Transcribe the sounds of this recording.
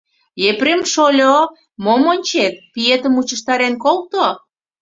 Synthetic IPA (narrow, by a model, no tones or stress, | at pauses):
epɾemʃolʲo | momonʲt͡ɕet̪̚piet̪ə̆mut͡ɕə̆ʃt̪ɑɾenkolt̪o